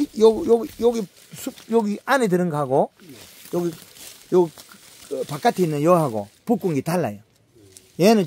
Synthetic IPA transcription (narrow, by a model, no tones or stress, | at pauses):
jjɔjɡi | sujoɡiʔaned̬ɯɾɯŋɡaɡo | jɔɡijo | pak͈ːatʰinɯjoɦaɡo̰puk͈ːuŋɡitalːa̰ja | jenɯ